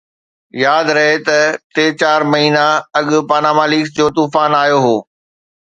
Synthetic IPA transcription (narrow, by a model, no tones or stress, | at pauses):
jaːd̪ɾɐɦet̪ɐt̪eːt͡ɕaːɾmɐɦiːnaɐɠʊ̆paːnaːmaːliːksd͡ʑoːt̪uːfaːnaːjoɦoː